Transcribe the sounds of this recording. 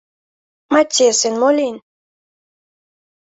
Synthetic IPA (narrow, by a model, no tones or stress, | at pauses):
mat̪ʲːesɨnmolʲinʲ